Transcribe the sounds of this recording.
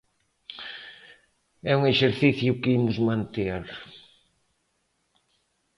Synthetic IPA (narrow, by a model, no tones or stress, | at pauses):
ɛuŋeʃeɾθiθjʊkɪimʊzmãnt̪eaɾ